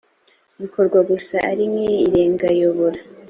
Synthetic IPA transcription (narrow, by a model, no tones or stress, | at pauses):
uβikʰo̞ɾɡwaɡusaʔaɾimŋeiɾe̞ːŋɡajoβoɾa